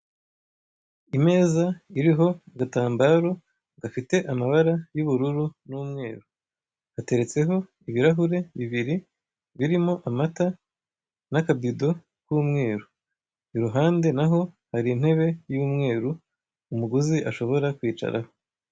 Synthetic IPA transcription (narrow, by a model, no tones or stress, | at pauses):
ime̞ːzaiɾiɦo̞ɡataːmbaːɾo̞ | ɡafite̞ʔamaβaɾajuβuɾuɾunuːmŋe̞ːɾu | hate̞ɾe̞t͡se̞ɦo̞ | iβiɾaɦuɾe̞βiβiɾi | βiɾimo̞ʔamata | nakabido̞ | kwuːmŋe̞ːɾu | iɾuɦaːnde̞naɦo̞ | haɾin̥he̞βe̞juːmŋe̞ːɾu | umuɡuziʔaʃo̞βo̞ɾakwiːt͡ʃa̰ɾa̰ho̞